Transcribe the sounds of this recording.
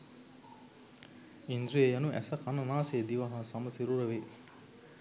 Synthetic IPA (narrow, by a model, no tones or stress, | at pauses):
ind̪ɾiejɐnuʔæ̰sɐkɐnɐnaːseːd̪iʋɐɦaːsɐmɐsiɾuɾɐʋe